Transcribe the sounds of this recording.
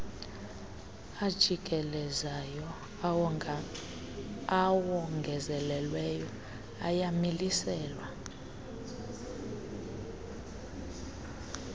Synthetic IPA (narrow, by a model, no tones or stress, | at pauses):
ad̥ʒ̥ʱiɡ̥ʱɛlɛzajɔ | awɔŋɡʱɛzɛlɛlwɛjɔ | ajamilisɛːlwa